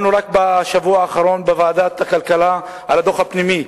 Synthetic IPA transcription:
nuʁak̚baʃavuaːχaʁo̞nbevaːd̪at̪akalkala | a̰lad̪o̞χhapnimi

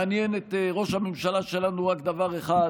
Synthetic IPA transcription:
anjenet̪eʁo̞ʃhamemʃalaʃe̞lanuʁakd̪avaʁeχa

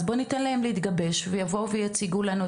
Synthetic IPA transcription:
zbo̞nit̪anlahemleit̪ɡabe̞ʃvejavo̞uvejat͡siɡulanu

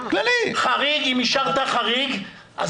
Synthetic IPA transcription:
klaliχaʁiɡimiʃaʁt̪aχaʁiɡ | ʔa̰z

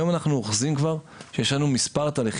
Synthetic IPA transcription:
jomanaχnuoχzimkvaʁ | ʃejeʃlanumispaʁt̪aːliχ

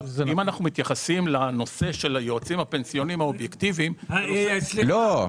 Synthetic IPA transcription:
imanaχnumit̪jaχasimlano̞se̞ʃe̞lajoat͡simhape̞nsijo̞nimhaobjekt̪ivim | lo

